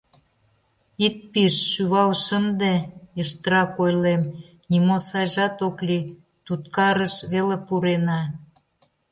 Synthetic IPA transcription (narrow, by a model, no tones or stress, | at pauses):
it̪̚piʃːyβɑlʃənd̪ejəʃt̪əɾɑkojlem | nʲimosɑjʒɑt̪okli | t̪ut̪kɑɾəʃβelepuɾenɑ